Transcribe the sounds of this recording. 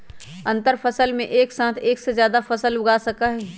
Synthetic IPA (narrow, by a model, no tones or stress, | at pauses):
ɐ̃nt̪əɾfɐsəlmḛ̃ʔeːksãːt̪ʰeːksezjaːd̪afɐsəlʊɡaːsɐkaɦɛː